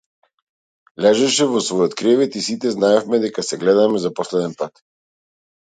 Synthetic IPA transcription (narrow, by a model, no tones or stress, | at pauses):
lɛʒɛʃɛvɔsvɔjɔt̪kɾɛvɛt̪isit̪ɛznaɛfmɛd̪ɛkasɛɡlɛd̪amɛzapɔslɛd̪ɛnpat̪